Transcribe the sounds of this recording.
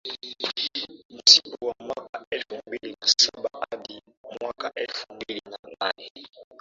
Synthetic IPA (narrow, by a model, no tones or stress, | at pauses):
m̩sikɔwamwakaʔɛlfumbilinasaɓaʔaɗi | mwakaʔɛlfumbilinananɛ